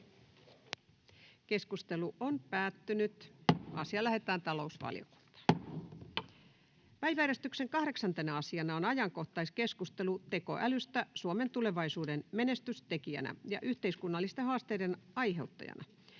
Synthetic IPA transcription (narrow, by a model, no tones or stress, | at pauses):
ke̞skust̪e̞luʔonpæːt̪ːynyt̪ɑ̰siɑlæɦhet̪æːnt̪ɑlo̞usʋɑ̰lijo̰ku̥nt̪ɑ̥ː | pæjʋææɾest̪ykseŋkɑhɾeksɑnt̪enæɑsiɑnɑonɑjɑŋko̞ht̪ɑiske̞skust̪e̞lut̪e̞ko̞̰ʔælyst̪æsuome̞nt̪ule̞ʋɑisuːdenme̞ne̞st̪yst̪ekiæ̰næ̰jɑ̰ʔyht̪e̞iskunːɑlːist̪ehɑːst̪ejdenɑjɦe̞wt̪ːɑ̰jɑ̰nʔɑ̰